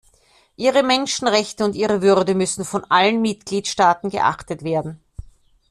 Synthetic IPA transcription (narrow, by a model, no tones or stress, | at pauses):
ʔiːʁəmɛnʃn̩ʁɛçtəʊntʔiːʁəvʏʁdəmʏsn̩fɔnʔalənmɪtɡ̥liːtʃtaːtn̩ɡə̰ʔa̰χtətv̥eːɐdn̩